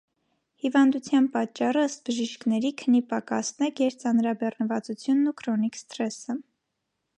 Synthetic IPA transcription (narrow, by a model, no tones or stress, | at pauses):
hivɑnd̪ut͡sʰjɑnpɑt͡ʃːɑrəəst̪̚bəʒiʃknɛɾikʰənipɑkɑsnɛkjɛɾt͡sɑnɾɑbɛrnəvɑt͡sut͡sʰjunːukʰɾɔnikst̪ɾɛsə